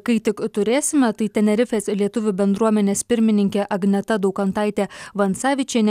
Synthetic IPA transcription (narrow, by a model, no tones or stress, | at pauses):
kɐɪt̪ʲɪkt̪ʊɾʲeːsʲɪmʲɛt̪ɐɪt̪ʲɛnʲɛɾʲɪfʲeslʲiɛt̪ʊʋʲʊbʲɛnd̪ɾuɔmʲɛnʲeːspʲɪɾʲmʲɪnʲɪŋʲkʲeːʔɐɡnʲɛt̪ɐd̪ɒʊkɐnt̪ɐɪt̪ʲeːʋɐnsɑːʋʲɪt͡ʃʲeːnʲɛ